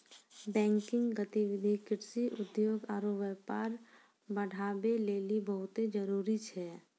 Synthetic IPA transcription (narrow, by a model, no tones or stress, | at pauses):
bɛ̃ːŋkɪ̃ŋɡɡət̪iwɪd̪ʱikɪɾsiʔʊd̪joːɡaːɾoʋəpaːɾ | bəɽ̤ʱaːbeleːlibəɦʊt̪ed͡ʒəɾuːɾit͡ʃʰɛː